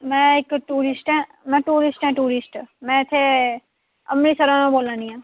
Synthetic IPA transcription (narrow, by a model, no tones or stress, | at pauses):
mɛ̃ːɪkʈuːɾɪsʈɦɛ̃ː | mɛ̃ːʈuːɾɪsʈɛ̃ːʈuːɾɪsʈmɛ̃ːɪt̪ʰːe | ɐ̰mnisəɾãːnõboːlãːnĩãː